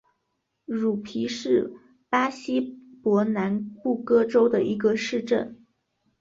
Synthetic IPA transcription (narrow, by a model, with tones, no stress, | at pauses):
ɻu˨˩pʰi˧˥ʂɻ̩˥˩ | pa˥ɕi˥pwɔ˧˥na˧˥npu˥˩kɤ˥ʈ͡ʂo˥ʊd̪ə˨ʔi˧˥ɡə˧ʂɻ̩˥˧ʈ͡ʂə̰˥˩n